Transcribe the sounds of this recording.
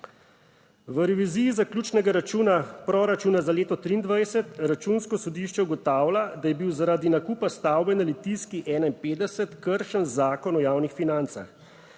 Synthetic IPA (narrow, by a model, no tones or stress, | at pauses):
ʋəɾɛʋiziːjːzaklʲjuːt͡ʃnɛɡaɾat͡ʃuːnapɾɔɾat͡ʃuːnazaleːt̪ɔt̪ɾiːnd̪ʋajsɛt̪ɾat͡ʃuːnskɔsɔd̪iʃt͡ʃɛwɡɔt̪aːwlad̪ajɛbiwzaɾaːd̪inakuːpast̪aːwbɛnalit̪iskiʔɛːnaimpeːd̪d̪ɛsɛt̪kəɾʃənzaːkɔnɔjaːwnixfinant̪sa̰x